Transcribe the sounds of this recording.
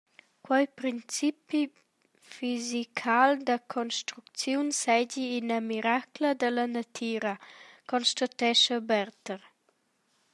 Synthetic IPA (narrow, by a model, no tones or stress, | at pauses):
kwajpɾint͡sipi | fizikʰald̪əkʰɔnst̪ɾukt͡sjunsɛɟiːnəmiɾakləd̪ələnat̪ʰiɾəkɔnʃt̪at̪ɛʃəbɛɾt̪əɾ